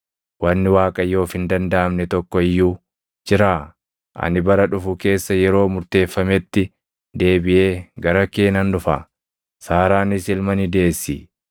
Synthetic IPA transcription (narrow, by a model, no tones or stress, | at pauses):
wɐnːɪwaːkʼɐjo̞ːfɪnd̪ɐnd̪ɐʔɐmnɛt̪ɔkːɔɪjːuː | d͡ʒɪɾaː | ʔɐ̰nɪbɐɾɐᶑʊfʊke̞ːsːɐjɛɾo̞ːmʊɾt̪e̞ːfːɐmɛt̪ːɪ | d̪e̞ːbɪʔe̞ːɡɐɾɐke̞ːnɐnᶑʊfa̰ | saːɾaːnɪsɪlmɐnɪd̪e̞ːsːḭː